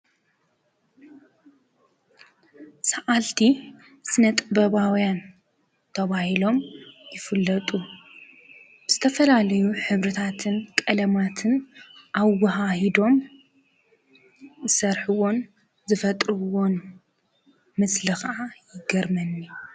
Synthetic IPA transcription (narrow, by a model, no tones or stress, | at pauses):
saʔalt̪ʰi | sɨnɐt̪ʼbɐβawjan | t̪ʰɐβahilo̞mjɪfɨlːɐt̪ʼu | b̥ɨz̥ɨt̪ʰɐfɐlalɐjuħɨβɾɨt̪ʰat̪ʰɨnkʼɐlɐmat̪ʰɨnʔaβwɐɦahid̪o̞m | zɨsɐɾħuwo̞n | zɨfɐt̪ʼɾɨwo̞n | mɨslɨxɐʔajɪɡɐɾmɐnːi